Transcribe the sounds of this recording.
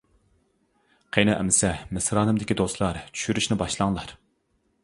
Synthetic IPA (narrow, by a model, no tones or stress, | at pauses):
qʰejnɨʔɛ̰mɪsɛmɪsɾɑːnɨmd̪ɪkʲid̪oslˠɑɾt͡ʃʰy̥ʃyɾyʃnɪbɑʃlˠɑŋlˠɑɾ